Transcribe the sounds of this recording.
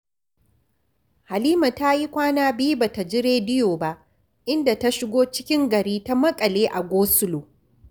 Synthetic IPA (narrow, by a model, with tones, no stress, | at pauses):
ha˨liː˦ma˨ta˦ji˦kʷaː˦naː˦biː˦ba˨ta˨d͡ʒɪ˦ɾeː˦dɪ˦joː˨ba˦ʔ | ʔɪ˦nda˨ta˦ʃɪ˦ɡʷoː˦t͡ʃɪ̥˦kʲɪ˦ŋɡɐ˨ɽiː˦ta˦mɐ˦kʼɐ˨leː˦ʔa˨ɡʷoː˦sʊ˦loː˨